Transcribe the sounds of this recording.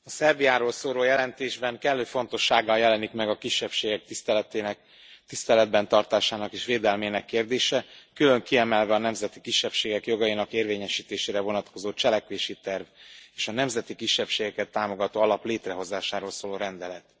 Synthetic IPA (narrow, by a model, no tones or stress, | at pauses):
ɒsɛrbijaːɾoːlsoːloːjɛlɛnt̪eːʒbɛŋkɛlːøːfo̞nt̪o̞ʃːaːɡːɒjɛlɛnikmɛɡɒkiʃːɛpʃeːɡɛk̚t̪ist̪ɛlɛt̪enɛk | t̪ist̪ɛlɛd̪̚bɛnt̪ɒrt̪aːʃaːnɒkeːʃʋeːd̪ɛlmeːnɛkːeːrd̪eːʃɛkylø̞ŋkiɛmɛlvɛɒnɛmzɛt̪ikiʃːɛpʃeːɡɛkjo̞ɡɒjinɒkeːrveːɲɛʃiːt̪eːʃeːɾɛvo̞nɒt̪ko̞zoːt͡ʃɛlɛkʋeːʃit̪ɛrveːʃɒnɛmzɛt̪ikiʃːɛpʃeːɡɛkɛt̪ːaːmo̞ɡɒt̪oːɒlɒpleːt̪rɛɦo̞zaːʃaːɾoːlsoːloːɾɛnd̪ɛlɛt̪